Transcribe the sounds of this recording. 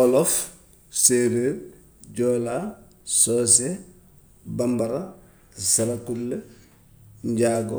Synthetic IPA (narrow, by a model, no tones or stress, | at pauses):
ɔlɔf | seɾeɾ | ɟoːla | soːs̬e | bambaɾa | saɾakulːe | ɲɟaɡo